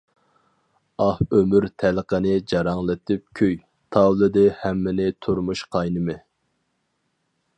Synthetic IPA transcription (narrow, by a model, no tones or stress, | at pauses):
ɑhømyɾt̪ʰælqənɪd͡ʒɑɾɑŋlˠɨt̪ʰɪp̚kʲʰøj | t̪ʰɑwlɨd̪ɪhæmːɪnɪt̪ʰuɾmuʃqʰɑjnɨmɪ